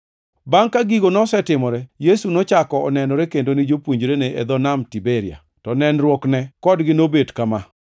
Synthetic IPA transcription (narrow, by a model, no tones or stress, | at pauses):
baŋkaɡiɡonɔsɛtɪmɔɾɛjesunɔt͡ʃakɔɔnɛnɔɾekendonɪd͡ʒopwuɲd͡ʒɾeneʔed̪ɔnamtibeɾɪa̰ | tɔnɛnɾwɔknɛkɔdɡɪnobedkama